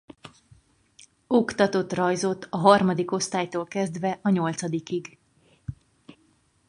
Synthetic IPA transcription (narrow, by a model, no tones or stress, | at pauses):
okt̪ɒt̪o̞t̪rɒjzo̞t̪ːɒɦɒrmɒd̪iko̞st̪aːjt̪oːlkɛzd̪vɛʔɒɲo̞lt̪sɒd̪ikiɡ